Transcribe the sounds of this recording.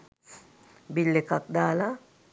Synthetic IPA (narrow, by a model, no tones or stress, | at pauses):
bilːekak̚d̪aːla